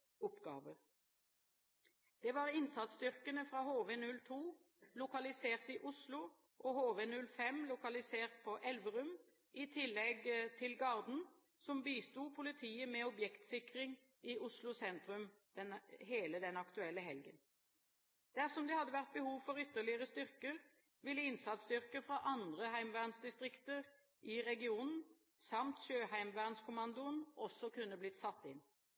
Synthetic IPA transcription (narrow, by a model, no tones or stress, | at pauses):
ɔpɡɑːʋəʁ | d̪̥ɛʋɑːʁɪnsɑt̪sd̪ʏʁkənəfʁɑːhoːʋenʉlt̪ʰuː | lʊkɑlɪseːʁt̪ɪʔʊslʊ | ʔɔhoːʋeːnʉlfɛmlʊkɑlɪseːʁt̪̚pʰɔʔɛlʋəʁʉm | ʔɪt̪ʰɪlːɛɡt̪ʰɪlɡɑʁd̪n̩ | sɔmbiːst̪uːpʰʊlɪt̪ʰiːəmɛːɔbjɛkt̪sɪkʁɪŋ | ɪʊslʊsɛnt̪ɾʉmd̪̥ɛnheːləd̪ɛnɑkt̪ʉɛlːəɦɛlɡə̰n | d̪̥æʁsɔmd̪ɛhɑd̪ːəʋæʁt̪̚bəhuːʋfɔɾʏt̪ːəʁɭɪəʁəst̪ʏʁkəɾ | ʋɪlːəɪnsɑt̪sd̪ʏʁkəfɾɑʔɑnd̪ʁəhæɪmʋæʁnsd̪ɪst̪ʁɪkt̪əʁ | ʔɪʁɛɡɪuːnn̩ | sɑmt̪ʃøːhæɪmʋæʁnskʊmɑnd̪ʊənʔɔsːɔkʉnːəblɪt̪sɑt̪ːɪn